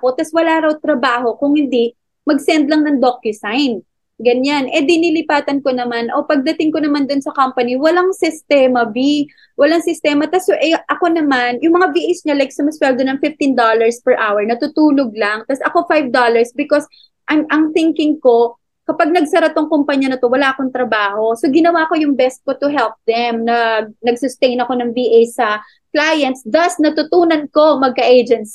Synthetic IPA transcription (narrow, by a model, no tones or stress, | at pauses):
ko̞t̪aswɐlaːɾɐwt̪ɾɐbaːho̞kʊŋhɪnd̪i | mɐɡsɛnd̪̚lɐŋnɐŋd̪okjʊsajn | ɡɐɲanʔɛd̪inilɪpaːt̪ɐnko̞nɐmanʔo̞pɐɡ̚d̪ɐt̪ɪŋkonɐmand̪onsɐkampɐniwɐlaŋsɪst̪ɛːmɐvi | wɐlaŋsɪst̪ɛːmɐt̪ɐsjʔɛʔɐko̞nɐmanjʊŋmɐŋaviʔɪsɲɐlajɡsɐmɐswɛld̪onɐŋfɪft̪ɪnd̪olɐɹspɛɹʔawɛɹnɐt̪ut̪uːloɡ̚laŋt̪ɐsʔɐko̞fajvd̪olɐɹsbɪkos | ʔɐŋʔɐŋθɪŋkɪŋko̞ | kɐpaɡ̚nɐɡ̚sɐɾɐt̪oŋkompaɲɐnɐt̪o̞wɐlaːʔɐkoŋt̪ɾɐbaːho̞so̞ɡɪnɐwako̞jʊŋbɛst̪̚ko̞t̪ʊɦɛlp̚d̪ɛmnɐɡ̚nɐɡsʊst̪ejnɐko̞nɐŋviʔejsɐ | klajɐnt̪sd̪ɐsnɐt̪ʊt̪uːnɐnko̞mɐɡ̚kɐʔejd͡ʒɛns